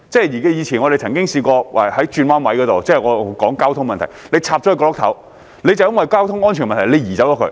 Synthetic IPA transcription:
t͡sɛː˥˩jiː˨˩ka˧˥jiː˨˧t͡sʰiː˨˩nŋɔ˨˧e˨jt͡sʰɐ˨˩ŋkɪ˥ŋsiː˧kɔː˧wa˨˩hɐ˨˥jt͡ʃyː˧nwaː˥nwɐ˨˧˥jkɔː˨˧t̪o˨wt͡sɛː˥˩ŋɔː˨˧˨kɔː˨˥ŋkaː˥wt̪ʰʊ˥ŋmɐ˨nt̪ʰjle˨˧jt͡sʰaː˧p̚t͡ʃɔ˨˥˧kɔː˧lʊ˥kt̪ʰɐ˨˥w | le˨˧jt͡sɐ˨wjɐ˥nwɐ˨jkaː˥wt̪ʰʊ˥ŋɔː˥nt͡ʃʰy˨˩nmɐ˨nt̪ʰle˨˧jiː˨˩t͡sɐ˨˥wt͡ɕɔ˨˥kʰɵ̰˧˥

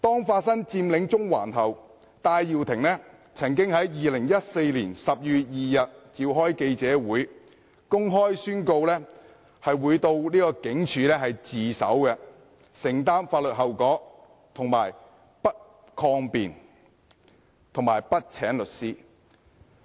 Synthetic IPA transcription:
t̪ɔː˥ŋfaː˧t̚sɐ˥ŋt͡siː˧mlɪ˨˥ŋt͡sʊ˥ŋwa̰ː˨˩nɦ̪ɐ˨˩w | t̪aː˧jːiː˨wt̪ʰɪ˨˩ŋlɛː˥ | t͡sʰɐ˨˩ŋkɪ˥ŋhɐ˨˥jjiː˨lɪ˨˩ŋjɐ˥t̚se˧jliː˨˩nsɐ˨p̚jyː˨t̚jiː˨jɐ˨t̚t͡siː˧wɦɔː˥jke˧jt͡sɛː˨˥wuː˨˥j | kʊ˥ŋɦɔː˥jsyː˥nko˧wlɛː˥ | hɐ˨jwuː˨˧jt̪o˧wliː˥kɔː˧kɪ˨˥ŋt͡ʃʰyː˨˧lɛː˥ɦɐ˨jt͡siː˨sɐ̰˨˥wkɛ˧ | sɪ˨˩ŋt̪aː˥nfaː˧t̚lɵ˨t̚ɦɐ˨wkɔː˨˥ | t̪ʰʊ˨˩ŋma̰ː˨˩j | pɐ˥t̚ | kʰɔː˧ŋpḭː˨n | t̪ʰʊ˨˩ŋmaː˨˩jpɐ˥t̚t͡sʰɛː˨˥ŋlɵ˨t̚siː˥

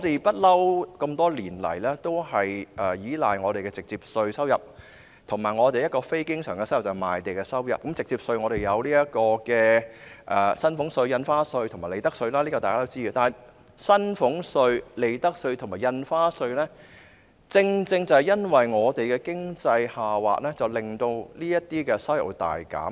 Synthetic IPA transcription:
ŋɔː˨˧t̪e˨jpɐ˥t̚lɐ˥wkɐ˧mt̪ɔː˥liː˨˩nlɐ̰˨˩jlɛː˥t̪o˥whɐ˨jʔɛː˨˩jiː˨˥la̰ː˨jŋɔː˨˧ɾe˨jkɛː˧t͡sɪ˨k̚t͡siː˧p̚sɵ˧ɥsɐ˥wjɐ˨p̚ | t̪ʰʊ˨˩maː˨˩jŋɔː˨˧t̪e˨jɐ˥t̚kɔː˧fe˥jkɪ˥ŋsœ̰ː˨˩ŋkɛ˧sjɐ˨˩wt͡sɐ˨˩ma̰ː˨˩jt̪e˨jkɛ˧sɐ˥wjɐ̰˨p̚kɐ˨˥mt͡sɪ˨k̚t͡siː˧p̚sɵ˧ɥŋɔː˨˧ɾe˨jjɐ˨˧wliː˥jɐ˥kɔː˧kɛː˧ʔɛ˨˩sɐ˥nfʊ˨˥ŋsɵ˧ɥjɐ˧nfaː˥sɵ˧ɥt̪ʰʊ˨˩maː˨˩le˨jt̪ɐ˥k̚sɵ˧ɥlaː˥liː˥kɔː˧t̪aː˨kaː˥o˥wt͡siː˥˨˧t̪aː˨˩n˨j | sɐ˥nfʊ˨˥ŋsɵ˧ɥle˨˩jt̪ɐ˥k̚sɵ˧ɥt̪ʰmaː˨˩jɐ˧nfaː˥sɵ˧ɥlɛː˥ | t͡sɪ˧ŋt͡sɪ˧ŋt͡sɐ˨˩hjɐ˥nwɐ˨jŋɔː˨˧t̪e˨jkɛː˧kɪ˥ŋt͡sɐ˧jhaː˨wa̰ː˨t̚lɛː˥t͡sɐ˨wlɪ˨˩ŋt̪o˧wliː˥jɐ˥t̚t̪ːiː˥kɛ˧sɐ˥wjɐ̰˨˩wt̪a̰ː˨jka̰ː˨˥m

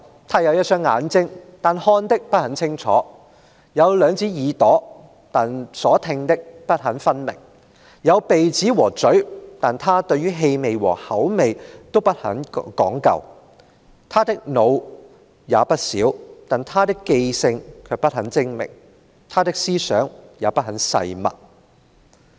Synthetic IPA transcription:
t̪ʰaː˥jɐ˨˧wjɐ˥t̚sœː˥ŋːa̰ː˨˥nt͡sɪ˥ŋt̪aː˨nhɔː˥nt̪ɪ˥k̚pɐ˥t̚hɐ˨˥nt͡sʰɪ˥ŋt͡ʃʰɔ̰ː˨˥ | jɐ˨˧wlœː˨˧ŋt͡sʰiː˨˥jiː˨˧t̪ɔː˨˥ | t̪aː˨nsɔː˨˥t̪ʰɪ˧ŋt̪ɪ˥k̚pɐ˥t̚hɐ˨˥nfɐ˥nmɪ̰˨˩ŋ | jɐ˨˧wpe˨jt͡siː˨˥wɔː˨˩t͡sɵ˨˥ɥt̪aː˨nt̪ʰaː˥t̪ɵ˧ɥyː˥ɦe˧jme˨˧jwɔ̰ː˨˩hɐ˨˥wme˨jt̪o˥wpɐ˥t̚hɐ̰˨˥nkɔː˨˥ŋkɐ̰˨˧w | t̪ʰaː˥t̪ɪ˥k̚no˨˧w | jaː˨˧pɐ˥t̚siː˨˥wt̪aː˨nt̪ʰaː˥t̪ɪ˥kːe˧jsɪ˧ŋkʰœː˨˧pɐ˥t̚hɐ˨˥nt͡sɪ˥ŋmɪ̰˨˩ŋ | t̪ʰaː˥t̪ɪ˥k̚siː˥sœː˨˥ŋjaː˨˧pɐ˥t̚ɦɐ˨˥nsɐ̰˧jmɐ̰˨t̚

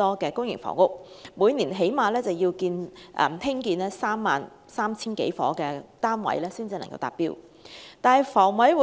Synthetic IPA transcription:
ɔː˥kɛː˧kʊ˥ŋjɪ˨˩ŋfɔ̰ː˨˩ŋʊ˥k̚muː˨˧jniː˨˩nɦe˨˥jmaː˨˧lɛː˥t͡sɐ˨wji˧wkiː˧nʔɛ̰˨˩mt̪ʰɪ˥ŋkiː˧nlɛː˥saː˥mːaː˨n | saː˥mt͡sʰiː˥nkḛ˨˧˥jfɔ̰ː˨˥kɛː˧t̪aː˥nwɐ̰˨˥jlɛː˥siː˥nt͡siː˨nɐ˨ŋkɐ˧wt̪aː˨p̚piː˥w | t̪aː˨nɐ˨˩jfɔː˨˩ŋwɐ˨˥jwuː˨

